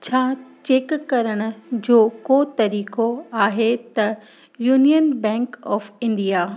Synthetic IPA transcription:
t͡ɕʰaːt͡ɕeːkːɐɾəɽ̃ʊ̆d͡ʑoːkot̪ɐɾiːkoaːɦet̪ɐ | juːnijənbɛ̃ːŋkɔːfɪ̃ɳɖijaː

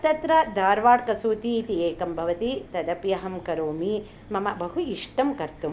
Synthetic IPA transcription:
t̪ɐt̪ɾɐd̪ʱaːɾʋaːʈkɐsuːt̪iːt̪ieːkɐmbʱɐʋɐt̪it̪ɐd̪ɐpjɐɦɐmkɐɾoːmi | mɐmɐbɐɦuiʂʈɐmkɐɾt̪um

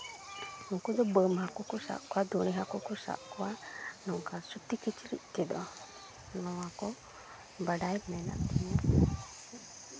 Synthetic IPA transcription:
uŋkɔd̪ɔbəmhakɔkɔsa̰ʔkɔwad̪uɽ̃iɦakɔkɔsa̰ʔkɔwanɔŋkasut̪ikit͡ʃiɾḭʔ̚ˀkɛd̪ɔ | nɔwakɔ | bəɖajmɛna̰ʔt̪ina

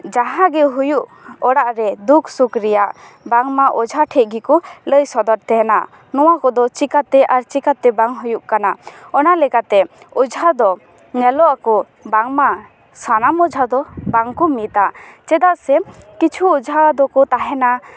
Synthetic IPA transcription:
d͡ʒaɦãɡɛɦujuʔ | ɔɽaʔɾɛd̪ukʰsukɾijaʔ | baŋmaʔɔd͡ʒʱaʈʰɛˀɡikuləjsɔd̪ɔɾt̪ɛɦɛna̰ | nɔwakɔd̪ɔt͡ʃikat̪ɛʔaɾt͡ʃikat̪ːɛbaŋɦujuʔkanaɔnalɛkat̪ɛ | ud͡ʒʱad̪ɔ | ɲɛlɔʔakɔ | baŋma | sanamɔd͡ʒʱad̪ɔbaŋkumit̪at͡ʃɛd̪aʔsɛkit͡ʃʰuːd͡ʒʱad̪ɔkɔt̪aɦɛna

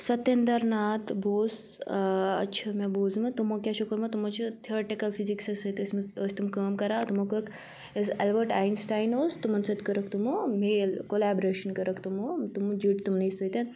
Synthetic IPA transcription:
sɐt̪end̪ɐɾnaːt̪boːs | ɐ̰tːt͡ʃʰɐmeboːzmɐt̪umokʲjaʃʰukəɾmɐt̪umot͡ʃʰit̪ʰioɾeʈikɐlpʰiziksɐsət̪əsməsʲt̪umkɐːmkɐɾaːt̪umokəɾɐk | əsɛlbəɾʈaːjnsʈaːjnoːst̪umɐnsɐt̪kəɾɐkt̪umomeːlkolaːbɾeːʃɐnkɐɾɐkt̪umot̪umd͡ʒiʈt̪umnɐjsɐt̪en

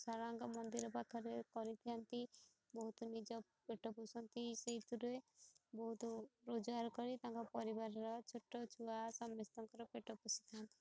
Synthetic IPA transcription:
sɔɾaŋkɔmɔnd̪iɾɔpakʰɔɾekɔɾit̪ʰiant̪i | bɔɦut̪ɔnid͡ʒɔ | peʈɔpusɔnt̪iseɦit̪ʰuɾuebɔɦut̪ɔɾod͡ʒwaɾkɔɾit̪aŋkɔpɔɾibaɾɔɾɔt͡ʃʰoʈːɔt͡ʃʰuasɔmːest̪ɔŋkɔɾɔpeʈɔpusi̥t̪ʰant̪i̥

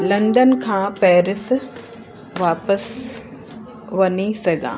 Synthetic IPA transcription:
lɐ̃nd̪ənkʰãːpɛːɾɪs | ʋaːpəs | ʋɐnisɐɡʱã̰ː

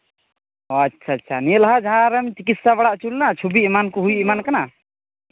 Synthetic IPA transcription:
ɔatːʃʰaːanilaɦad͡ʒaɦãɾɛmt͡ʃik̬it̪sabaɽaʔt͡ʃulnat͡ʃʰubiimankɔɦujʔimankana

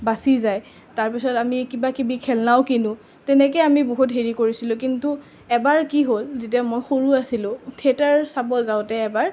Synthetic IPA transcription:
basizaj | taɹpisɔtamikibakibikʰɛlnaʊkinʊ | tɛnɛk̬ɛjamiboɦutɦeɹikoɹisilʊ̃k̬intu | ɛbaɹkiɦolzet̬iamojxoɹuasilʊ̃tʰietaɹsabɔlzaʊtɛːbaɹ

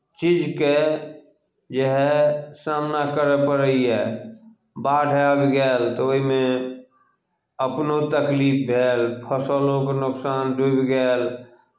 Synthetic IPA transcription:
t͡ʃid͡ʒke | d͡ʒeɦɛsamnakəɾepəɾəiɛ | baɖʱeabiɡɛːlt̪ɔoɦime | əpnot̪əklip̚ʰbʱelpʰəsəlokenʊksanɖʱubiɡɛːl

